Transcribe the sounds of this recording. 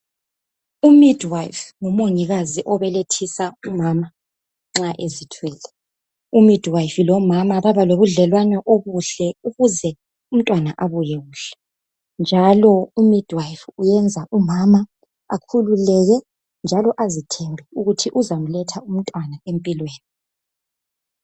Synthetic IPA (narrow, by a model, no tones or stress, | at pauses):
umidʱwajfŋɔmoɲiɣaziʔɔβɛletʰisaumama | ŋ͡ǁaʔezitʰwɛːlɛ | umid̥ʱwajfilɔmamaβaβaloβuɮɛlwanɛʔoɣuɬɛuɣuzɛ | um̩tʼwanaʔaβujɛɣuːɬɛ̥ | nd͡ʒʱalɔumid̥ʱwajfujɛnd͡zʱaʔumama | akʰululɛɣɛ | nd͡ʒʱalɔʔazitʰɛmbʱɛuɣutʰiʔuzam̩lɛtʰaum̩tʼwanaempʼilweːni